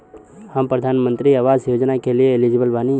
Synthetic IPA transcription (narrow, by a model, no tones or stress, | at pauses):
hampɾəd̪ʱaːnmə̃nt̪ɾiəʋaːzjoːd͡ʒnakelieːlid͡ʒɪbəlʋaːni